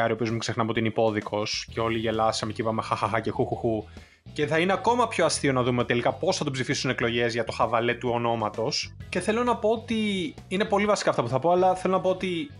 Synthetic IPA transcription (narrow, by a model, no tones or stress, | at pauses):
ɐɾiopiumuksexnɐpot̪inipo̞ðikʰo̞sce̞o̞liʝe̞lɐssɐmecipɐmexɐxɐxɐce̞xuxuxu | ce̞θɐineɐko̞mɐpço̞ɐst̪io̞nɐðumeoit̪elikɐpo̞sθɐt̪opsifisuneklo̞ʝe̞zʝɐt̪o̞xɐvɐle̞t̪uo̞no̞mɐt̪o̞sce̞θe̞lonɐpo̞ot̪i | ine̞po̞livɐsi̥kɐːft̪ɐpuθɐpo̞ɐlɐθelo̞nɐpoot̪i